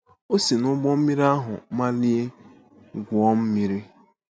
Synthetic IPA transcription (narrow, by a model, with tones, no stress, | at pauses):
o˦si˨nʊ˦ɡ͡bɔ˦m̩˦mi˦ɾi˦a˦ɦʊ˨ma˦li˦e˦ | ɡʷʊ˨ɔ˦m̩˦mi˦ɾi˦